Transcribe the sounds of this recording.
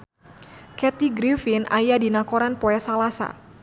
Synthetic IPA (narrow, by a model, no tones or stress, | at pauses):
kɛt̪iɡɾifinʔa̰jadinakoɾanpɔɛsalasa̰